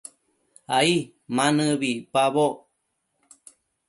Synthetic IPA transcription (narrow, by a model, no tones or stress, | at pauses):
ai | manɨβipaβo